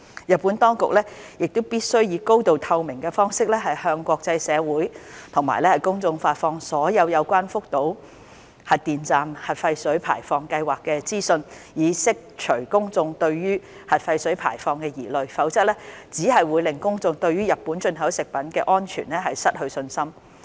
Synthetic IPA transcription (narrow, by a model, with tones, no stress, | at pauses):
jɐ˨t̚pːu˨˥nt̪ɔː˥ŋkʊ˨k̚lɛː˥jɪ˨k̚t̪o˥wpiː˥t̚sɵ˥ɥjiː˨˧ko˥wt̪o˧wt̪ʰɐ˧wmɪ˨˩ŋkɛː˧fɔː˥ŋsɪ˥k̚lɛː˥ɦɐ˨jhœː˧ŋkʷɔː˧k̚t͡sɐ˧jsɛː˨˧wuː˨˥jt̪ʰʊ˨˩ŋma̰ː˨˩jlɛː˥hɐ˨˩jkʊ˥ŋt͡sʊ˧ŋfaː˧t̚fɔː˧ŋsɔː˨˥jɐ˨˧wjɐ˨˧wkʷaː˥nfʊ˥k̚t̪o˨˥w | hɐ˨t̚t̪iː˨nt͡saː˨mhɐ˨t̚fɐ˧jsɵ˨˥ɥpʰa̰ː˨˩jfɔː˧ŋkɐ˧jwaː˨kːɛː˧t͡siː˥sɵ˧njiː˨˧sɪ˥k̚t͡ʃʰɵ˨˩ɥkʊ˥ŋt͡sʊ˧ŋt̪ɵ˧ɥɥyː˥ | hɐ˨t̚fɐ˧jsɵ˨˥ɥpʰa̰ː˨˩jfɔː˧ŋkɛː˧jiː˨˩lɵ˨ɥfɐ˨˥wt͡sɐ˥t̚lɛː˥t͡siː˨˥ɦɐ˨jwuː˨˧jlɪ˨ŋkʊ˥ŋt͡sʊ˧ŋt̪ɵ˧ɥyː˥jɐ˨t̚pːuː˨˥nt͡ʃɵ˧nɦɐ˨˥wsɪ˨k̚pɐ˨˥nkɛː˧ʔɔː˥nt͡ʃʰy̰ː˨˩nlɛ˥ɦɐ˨jsɐ˥t̚hɵ˧ɥsɵ˧nsɐ˥m